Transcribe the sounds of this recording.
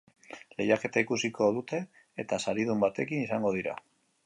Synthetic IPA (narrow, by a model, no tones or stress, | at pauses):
le̞jake̞t̪aikusiko̞ðut̪e̞ː | t̪asaɾiðumbat̪e̞kinisaŋɡo̞ð̞iɾa̰